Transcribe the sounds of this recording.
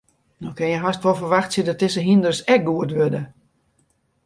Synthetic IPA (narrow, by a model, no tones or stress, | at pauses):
nɔkɪnjəɦastʋɔlˠfərʋaxtsidɔt̚dɪsəɦindərsɛk̚ɡuətʋødə